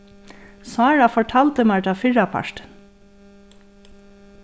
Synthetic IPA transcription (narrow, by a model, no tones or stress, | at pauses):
sɑːɹɑfɔʈʰɑːlt̪əmɑɹʈɑfɪɹɑpʰɑ̰ʃʈ̪